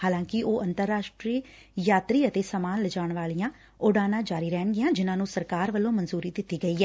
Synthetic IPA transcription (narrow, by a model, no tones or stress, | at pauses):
haːlãːŋkɪʔoːʔənt̪əɾːaːʃʈɾiː | jaːt̪ɾiːət̪eːsəmaːnləd͡ʒaːʊɳʋaːlijãː | ʊːɽaːnãːd͡ʒaːɾiːɾɛːnɡɪjãːd͡ʒɪnãːnũːsəɾkaːɾʋəlːõːmənzuːɾiːd̪ɪt̪ːiːɡəiːɛː